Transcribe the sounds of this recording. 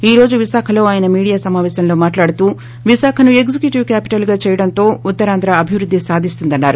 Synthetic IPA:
iːɾo̞ːd͡ʒuʋiʃaːkʰɐlo̞ːaːjɐnɐmiːɽijaːsɐmaːʋɛːsɐmlo̞ːmaːʈlaːɽut̪uː | ʋiʃaːkʰɐnue̞kd͡ʒikjuʈiʋkaːpi̥ʈɐlɡaːt͡ʃɛːjɐɽɐnt̪o̞ːut̪ːɐɾaːnd̪ɾɐɐbʱiʋɾud̪ʱːisaːd̪ʱist̪und̪ɐnːaːɾu

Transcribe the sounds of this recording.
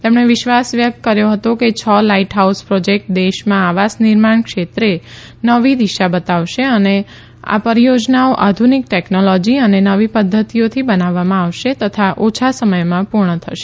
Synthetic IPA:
t̪emɳ̃eʋɪʃʋasʋjək̚t̪kəɾjoɦət̪oket͡ʃʰəlaiʈɦauspɾod͡ʒek̚ʈ̚d̪eʃmãaʋasnɪɾmaɳkʃet̪ɾe | nəʋid̪iʃabət̪aʋʃeəne | a̰pəɾijod͡ʒnaoʔad̪ʱunik̚ʈeknolɔd͡ʒiənenəʋipəd̪ʱːət̪ijot̪ʰibənaʋːamãaʋʃet̪ət̪ʰaʔot͡ʃʰasəməjmãpuɾɳət̪ʰəʃe̥

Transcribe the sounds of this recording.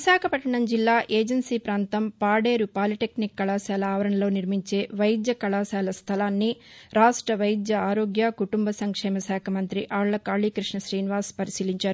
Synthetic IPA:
ʋiʃaːkʰɐpɐʈːɐɳɐmd͡ʒilːaːʔeːd͡ʒɐnsiːpɾaːnt̪ɐmpaːɖeːɾupaːliʈeknikːɐɭaːsaːlɐaːʋɐɾɐɳɐlo̞ːniɾmiɲt͡ʃe̞ːʋɐjd̪jɐkɐɭaːsaːlɐst̪ʰɐlaːnːiɾaːʂʈɾɐʋɐjd̪jɐaːɾoːɡjaːkuʈumbɐsɐŋkʂɛːmɐsaːkʰɐmɐnt̪ɾiʔaːɭːɐkaːɭiːkɾiʂɳɐʃɾiːniʋaːspɐɾisiːliɲt͡ʃaːɾu

